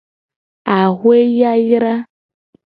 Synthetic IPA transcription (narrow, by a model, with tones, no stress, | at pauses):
a˨ɣwe˦ja˦jɾa˦